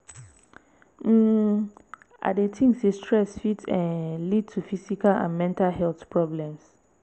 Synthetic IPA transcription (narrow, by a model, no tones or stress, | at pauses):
m̩ | ʔa̰detʰĩŋsestʰɹɛsfitɛ̃nlid̚tʰufisikalã̰nmɛ̃ntʰalhɛlθpʰɹɔblɛ̃ms